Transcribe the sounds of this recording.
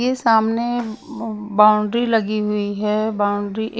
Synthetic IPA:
esaːmne | baːʊɳɖɾilɐɡiɦʊiɦɛbaːʊ̃ɳɖɾiʔ

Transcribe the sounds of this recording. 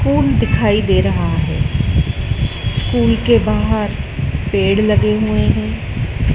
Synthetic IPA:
kuːld̪ɪkʰaːid̪eːɾɐɦaɦɛ̰ː | skuːlkebaːɦəɾpeːɽlɐɡeɦueɦɛ̃ː

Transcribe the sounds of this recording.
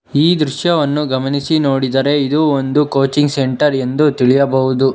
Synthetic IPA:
iːd̪ɾuʃjɐʋɐnːuɡɐmɐnisinoːɽid̪ɐɾe̞id̪uond̪ukoːt͡ʃiŋɡse̞ɳʈɐɾe̞nd̪ut̪iɭijɐbɐɦud̪u

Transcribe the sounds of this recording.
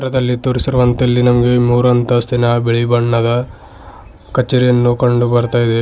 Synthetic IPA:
ɐɾɐd̪ɐlːit̪oːɾisiɾuʋɐnt̪ɐɐlːinɐmɐɡe̞muːɾɐnt̪ɐst̪inɐbeɭibɐɳːɐd̪ɐ | kɐt͡ʃːeːɾijɐnːukɐɳɖubɐɾt̪aːjid̪e

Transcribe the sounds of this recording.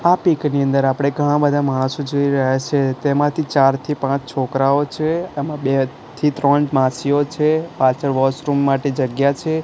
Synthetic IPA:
apikniənd̪əɾapɽ̃eɡʱəɽ̃ãbəd̪ʱamaɽ̃sod͡ʒoiɾəɦjat͡ʃʰet̪emãt̪ʰit͡ʃaɾt̪ʰipãt͡ʃt͡ʃʰokɾaot͡ʃʰeːmãbe | t̪ʰit̪ɾəɳmãsiot͡ʃʰepat͡ʃəɾʋɔsɾumːaʈed͡ʒəɡjat͡ʃʰe

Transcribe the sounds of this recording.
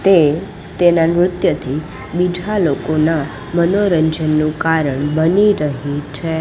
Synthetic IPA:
t̪e | t̪enamɾʊt̪jət̪ʰi | bid͡ʒʱalokona | mənoɾəɲd͡ʒənːũkaɾəɳbəniɾəɦit͡ʃʰe

